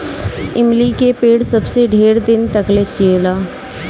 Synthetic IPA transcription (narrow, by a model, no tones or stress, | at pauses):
ɪmlikepeːɽsəbseɖʱeːɾd̪ɪnt̪əklet͡ʃd͡ʒeːlaː